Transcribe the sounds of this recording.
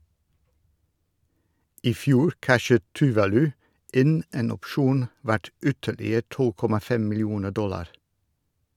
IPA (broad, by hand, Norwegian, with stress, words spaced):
ɪˈfjuːɾ ˈkæʃət tʉˈʋɑːlʉ ˈɪn ˈeːn ɔpˈʃuːn ˈʋæʈ ˈʏtəlɪə ˈtɔl ˈkɔmɑ ˈfɛm mɪlˈjuːnə ˈdɔlɑɾ